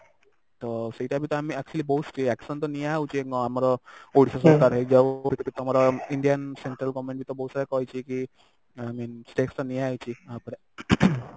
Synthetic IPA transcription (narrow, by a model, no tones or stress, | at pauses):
t̪ɔsiʈabʱit̪ɔamiɛk̚t͡ɕuəlibɔɦut̪sʈiɛksənt̪ɔniawt͡ɕieamaɾɔoɽisas̬ɔkaɾɦed͡ʒaʋbit̪ɔkit̪ɔmaɾɔiɳɖijənseɳʈɾəlɡɔʋmẽɳʈbʱit̪ɔbəɦud̪saɾakɔjt͡ɕiki | aminsʈekst̪ɔniaajt͡ɕiapəɾ